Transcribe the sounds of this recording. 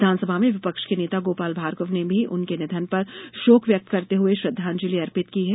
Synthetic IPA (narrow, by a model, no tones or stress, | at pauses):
d̪ʱaːnsəbʱamẽʋɪpəkʃkeneːt̪aɡoːpaːlbʱaːɾkəʋnebʱiʔʊnkenɪd̪ʱənpɐɾʃoːkʋjɐk̚t̪kɐɾt̪eɦʊeʃɾɐd̪ʱːãːnd͡ʒɪliɐɾpɪt̪kiɦɛː